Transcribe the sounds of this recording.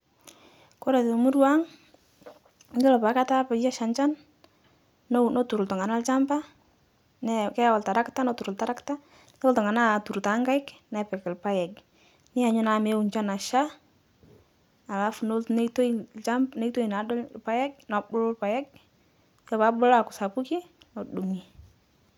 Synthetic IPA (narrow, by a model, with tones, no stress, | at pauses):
ko˦ɾa˨tɔ˨mu˦ɾwa˦ŋ | ŋɡɪ˦lɔ˨pa˨˦ka˦ta˦pɛ˨jɛ˦ʃa˨nt͡ʃa˦n | nɔ˦tu˨ɾʊ˨ltɔ˨ŋa˨na˦lt͡ʃa˦mba˦ | nɛkɛ˦ja˦wa˨lta˨ɾa˦kta˦nɔ˦tu˨ɾʊ˨lta˨ɾa˦kta˦ | sɔ˦ltɔ˨ŋa˨na˦˨tu˨ɾta˨ŋɡa˦ɪ˦kna˨pɛ˨kɛ˨lpa˦jɛ˨k | nɪ˦a˨ɲʊ˦na˨me˨˦u˨ɲt͡ʃa˦na˨ʃa˦ | a˨la˦fno˦ln˦to˦i˨lt͡ʃa˦mne˦i˦to˦i˨na˨dɔ˦lpa˦jɛ˦k̚nɔ˨bʊ˦lʊ˦lpa˨jɛ˦k̚ | jɔ˦pa˦bʊ˦la˨kʊ˨sa˨pu˦ki˦ | nɔ˨ɗu˨mi˨